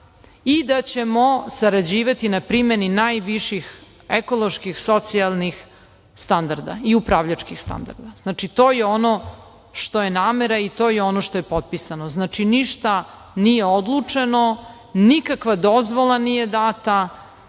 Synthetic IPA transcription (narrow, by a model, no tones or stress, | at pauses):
id̪at͡ɕe̞mosaɾad͡ʑiːʋat̪inapɾimeninajʋiʃix | eko̞lˠo̞ʃkixso̞t̪sialˠnix | st̪and̪aɾd̪a̰iupɾaʋʎat͡ʃkixst̪a̰nd̪a̰ɾd̪aznaːt͡ʃit̪o̞ːjeono̞ | ʃt̪o̞jenaːmeɾait̪o̞ːjeo̞noʃt̪ojepot̪̚pisanoznaːt͡ʃiniʃt̪a | nijeod̪lˠut͡ʂeno̞ | nikakʋad̪o̞zʋo̞lˠanije̞d̪at̪a